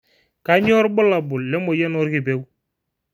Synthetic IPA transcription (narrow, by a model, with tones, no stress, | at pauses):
ka˨˦ɲɔ˦ɾbʊ˦la˨bʊ˨lːɛ˦mɔ˨jɛ˦nɔ˦ɾɡi˨be˦w